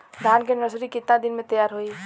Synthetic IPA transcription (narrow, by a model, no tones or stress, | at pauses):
d̪ʱankenəsɾikɪt̪nad̪inmẽt̪əjaɾɦoi